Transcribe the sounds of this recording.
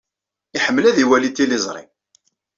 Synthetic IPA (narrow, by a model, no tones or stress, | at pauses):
ɪħəmːlæðiwælit̪ːilɪzˤɾˤḭ